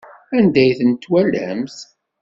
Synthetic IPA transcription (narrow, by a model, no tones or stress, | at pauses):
ænd̪æjθənt̪ːwælːæ̰mθ